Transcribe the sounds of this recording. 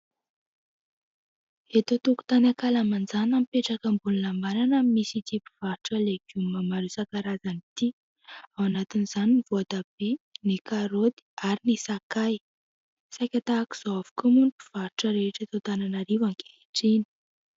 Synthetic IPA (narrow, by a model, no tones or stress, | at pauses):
et̪ot̪uku̥t̪anakalamand͡zanamipeʈ͡ʂakəmbunulambaɾanamimisit̪ipu̥v̥aɾiʈ͡ʂəleɡ̥umamaɾusakaɾazanit̪i | awanat̪iniz̥aninivoad̪ab̥enikaɾod̪i̥aɾinisakaj | sajkʲat̪aːki̥z̥oavu̥kumunʈ͡ʂu̥v̥aɾʈ͡ʂəɾeʈ͡ʂət̪ot̪ananaɾivaŋke̥eʈ͡ʂini̥